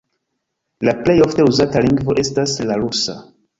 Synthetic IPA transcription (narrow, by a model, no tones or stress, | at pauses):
laple̞jo̞fte̞uzataliŋɡvo̞ʔe̞staslaɾusa̰